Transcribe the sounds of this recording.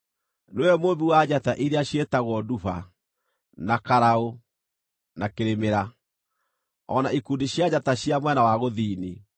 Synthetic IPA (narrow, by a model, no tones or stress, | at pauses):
newɛmoðuwad͡ʑataʔiɾeaɕjetaɣwɔdufa̰ | nakaɾao | nakeɾemeɾa | ɔ̰naikundiɕjad͡ʑataɕiamwɛnawaɣoðiːni